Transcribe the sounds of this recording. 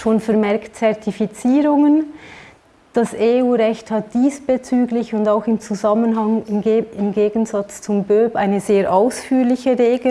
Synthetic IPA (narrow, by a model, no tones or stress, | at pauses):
ʃoːnfɛɾmɛɐktt͡sɛɐtifit͡siːɾʊŋən | d̥aseuːʁɛçthɑt̚d̥iːsb̥et͡syːɡlɪçʊndaʊxɪmt͡suzɑmənɦɑŋɪmɪmɡeːɡən̩zɑt͡st͡sʊmbøːpʔa̰ɪnəzeːʔaʊsfyːɾlɪçəʁeːɡə